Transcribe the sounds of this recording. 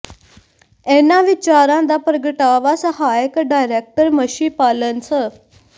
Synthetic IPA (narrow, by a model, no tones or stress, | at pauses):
ɛnaʋit͡ɕaɾãd̪apɾəɡəʈaʋasəɦajəkɖajɾek̚ʈəɾməɕipalənsə